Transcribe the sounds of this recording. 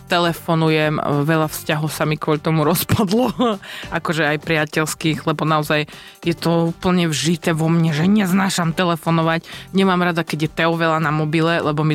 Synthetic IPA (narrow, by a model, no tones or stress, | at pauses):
t̪ɛlɛfɔnujɛmʋɛʎafscaɦɔʊsamikʋɔlt̪ɔmuɾɔspad̪lɔakɔʒɛajpɾɪacɛlskiɣlɛbɔnaɔzaj | jɛt̪ɔuːpl̩ɲɛvʒit̪ɛʋɔmɲɛʒɛɲɛznaːʃamt̪ɛlɛfɔnɔʋacɲɛmamɾad̪akɛɟjɛt̪ɛɔʋɛlanamɔbilɛlɛbɔmi